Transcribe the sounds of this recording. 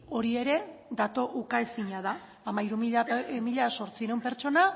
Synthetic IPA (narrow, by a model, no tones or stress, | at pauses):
o̞ɾie̞ɾe̞d̪at̪o̞ʔukaesiɲaðaː | maiɾumiʎamiʎaso̞ɾt͡siɾewmpe̞ɾt͡ʃo̞na